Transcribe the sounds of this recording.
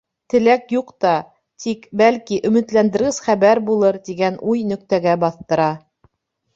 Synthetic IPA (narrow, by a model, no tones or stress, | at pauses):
t̪ɘ̆lækjuqt̪ɑ | t̪ʰikbælkiʔɵ̆mɘ̆t̪lænd̪ɘ̆ɾɣɘz̥χæβæɾbulˠɤɾt̪iɡænʔujnɵ̆k̚t̪æɡæbɑθt̪ɤ̆ɾɑ